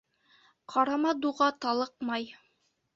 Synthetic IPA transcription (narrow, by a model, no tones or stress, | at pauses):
qʰɑɾɑmɑd̪uʁɑt̪ɑlˠɤqmɑj